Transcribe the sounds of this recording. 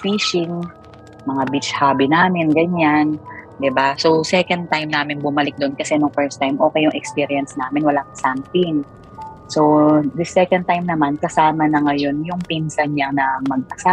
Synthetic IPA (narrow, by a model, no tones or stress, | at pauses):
fiːʃɪŋ | mɐŋabit͡ʃhaːbɪnaːmɪnɡɐɲan | d̪ɪbasowsɛkɐnd̪̚t̪ajmnaːmɪnbʊmɐlɪk̚d̪onkɐsɛnʊŋfɛɹst̪ajmʔo̞ːkɛjʊŋʔɛkspiɾijɐnsnaːmɪnwɐlaŋsant̪ɪŋ | so̞d̪ɪsɛkɐn̚t̪ajmnɐmankɐsaːmɐnɐŋɐjo̞njʊŋpinsɐnɲanɐmɐɡ̚ʔɐsa